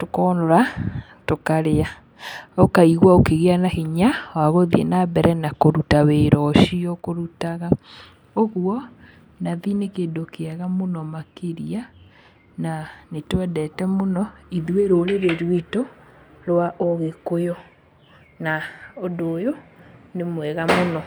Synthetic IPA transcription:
tokɔnoɾa | tokaɾea | okaiɣwaokeɣeanaheɲawaɣoðiḛnabɛɾɛnakoɾutaweɾɔʃiɔkoɾutaɣa | oɣuɔ | naðinekeːndokeaɣamonɔmakeɾia | nanetwɛdɛtɛmonɔiðueɾoɾeɾeɾwito | ɾwaʔoɣekojɔ | naondoːjonemwɛɣamonɔ

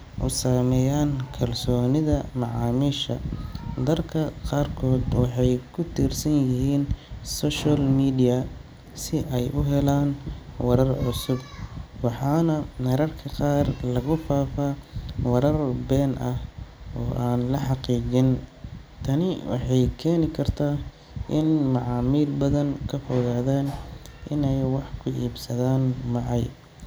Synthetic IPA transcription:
ʔʊ̰saːmɛːjaːnkʰɐlsɔːnɪðɐmɑʕɑːmiːʃɐ̰d̪ɐrkʰɐqɑːrkʰɔːd̪wɑħɑjkʰʊt̪ʰirsɐnjɪɦiːnsɔːʃalmiːd̪ɪjɐ | sɪʔɛjʔʊɦɛlaːnwɑɾɐrʕʊsʊb̚wɑħɑːnɐnɐɾɐrkʰɐqɑːrlɐɣʊfaːfaːwɐɾɐrbɛːnʔɐhɔːʔaːnlɐħɑqiːd͡ʒɪnt̪ʰɐnɪwɑ̰ħɑjkʰɛːnɪkʰɐrt̪ʰaː | ʔɪnmɑʕɑːmiːlbɐðɐŋkʰɐfɔɣaːðaːnʔɪnɛjwɑħkʰʊʔḭːbsɐðaːnmɑʕɑj

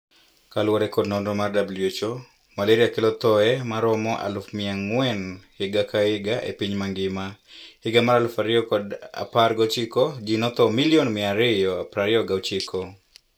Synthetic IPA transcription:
kalwɔɾɛkɔdnɔndɔmardabljet͡ʃo | maleɾiakɪlɔt̪ɔɛmaɾɔmɔʔa̰lfmɪaŋwɛnhɪɡakaɪɡaʔḛpiɲmaŋɡɪmahɪɡamaɾalfaɾɪɔkɔda̰parɡɔt͡ʃɪkɔd͡ʒinɔt̪ɔmiljonmɪaɾɪjɔapɾaɾɪɔɡat͡ʃikɔ

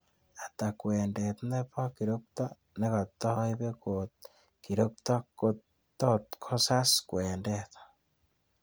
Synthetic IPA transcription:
atakweːndetnepɔkiɾokto | nekatoiβekot | kiɾoktɔko | totkʰosaskweːndetḁ

